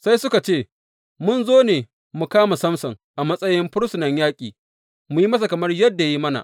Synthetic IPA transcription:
sa˦jsʊ˦ka˨t͡ʃeː˦˨ | mʊ˦nzoː˦neː˨ | mu˨kaː˦ma˨sɐ˦msɐ˨ŋʔa˨mɐ˦sʼɐ˦jɪ˦mɸʊ˦ɽsʊ˨nɐ˨ɲjaː˦kʲʼiː˨ | mu˨ji˦mɐ˦s̬a˨kɐ˨mɐ˦rjɐ˦dːa˨ja˦ji˦mɐ˦na̰˨

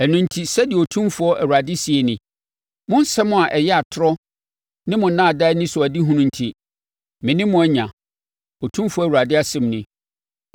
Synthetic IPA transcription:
æ˨nũ˦n̩˦tʰi˦sɛ˦dɪ˨o˨tʰũ˦mfʊ˦ɔ˦ʔæ˨wu˨ɾa˨dɪ˦si˨e˨nɪ̃˨ | mʊ̃˦n˦sɛ˦mʊ̃˦a˨ʔɛ˨jɛ˦a˨tʰʊ˦ɾɔ˦ | nɪ̃˦mʊ̃˨n̩˨nãː˦a˨da˦ɪ˦nɪ̃˦sʊ˨æ˨di˦ɦũ˦nʊ̃˦n̩˨tʰi˨ | mɪ̃˨nɪ̃˦mʊ̃˨˦ɛ˦ɲã˨ | o˨tʰũ˦mfʊ˦ɔ˦˨wa˨dɪ˦a˨sɪ̃˨mnɪ̃˨

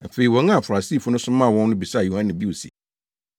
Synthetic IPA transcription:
m̩˨fe˨ɾi˨wɔ̃˨ŋ˦ã˦˨fʊ˨ɾa˨siː˦˨fʊ˦nʊ̃˦sʊ̃˦mã˦˨wɔ̃˦nː˦ʊ̃˦bi˨sa˦˨ju˨hã˦nɪ̃˨bi˦wo˨sḭ˨

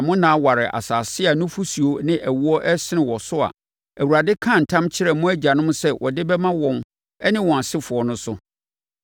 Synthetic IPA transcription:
mʊ̃˦nãː˦wa˨ɾɪ˨ʔa̰˨saː˨sɪ˦a˨nʊ̃˦fu˦su˨o˦nɪ̃˦ʔæ˨wu˦ɔ˦ʔɛ˦sɪ˦nɪ̃˨wɔ˨sʊ˦a̰˨ | æ˨wu˨ɾa˨dɪ˦kʰã˦˨n̩˨tʰã˦mt͡ɕʰɪ˦ɾɛ˨mʊ̃˦æ˦d͡ʑa˨nʊ̃˦mʊ̃˦sɛ˦wʔɔ̰˨dɪ˦bɛ˦mã˦wɔ̃˨m | ɛ˦nɪ̃˦wɔ̃˨a˨sɪ˦fʊ˨ɔ˨nʊ̃˦sʊ˦

